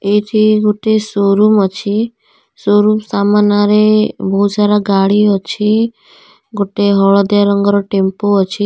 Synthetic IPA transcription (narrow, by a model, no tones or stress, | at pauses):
et̪ʰiɡoʈesoɾumɔt͡ʃʰi | soɾumsamanaɾebɔɦusʰaɾaɡaɭiɔt͡ʃʰi | ɡoʈeɦɔɭɔd̪jaɾɔŋɡɔɾɔʈempoːt͡ʃʰi